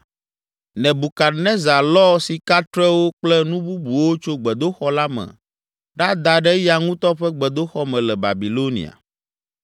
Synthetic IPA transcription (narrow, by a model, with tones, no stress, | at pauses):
nɛ̃˨bu˨ka˨nɛ̃˦za˨lɔ˦si˨ka˦t̪ɾɛ˦wo˦k͡plɛ˦nũ˦bu˦bu˨wo˦t͡ʃo˦ɡ͡bɛ˨d̪o˦xɔ˦la˦mɛ̰˨ | ɖa˦d̪a˨ɖɛ˦ja˨ŋũ˦t̪ɔ˦ɸɛ˦ɡ͡bɛ˨d̪o˦xɔ˦mɛ̃˨lɛ˨ba̰˨bi˨lo˦nḭ˨a̰˨